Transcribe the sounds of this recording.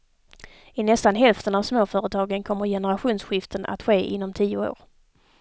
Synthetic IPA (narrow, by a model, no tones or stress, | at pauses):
ɪnɛst̪anɦɛlft̪ənavsmoːfœːɾət̪ʰɑːɡənkʰɔmːəɾjɛnəɾaɧuːnsɧɪft̪əna̰t̪ɧeːʔɪ̰nːɔmt̪ʰiːʊo̰ːɾ